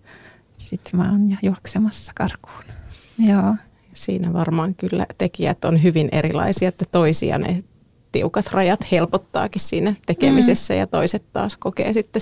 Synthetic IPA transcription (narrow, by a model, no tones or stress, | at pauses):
sit̪mɑːnjɑjuɑksemɑsːɑ̥kɑrku̥ːn | joː | jɑsiːnæʋɑrmɑːŋkylːæ̰t̪ekiæt̪onɦyʋinʔeɾilɑ̰isiɑet̪ːæt̪oisḭɑ̰nḛ | t̪iukɑt̪rɑjɑt̪helpot̪ːɑ̰ːkissiːnæt̪ekemisesːæjɑ̰t̪oiset̪tɑ̰ːskokḛːsit̪ːe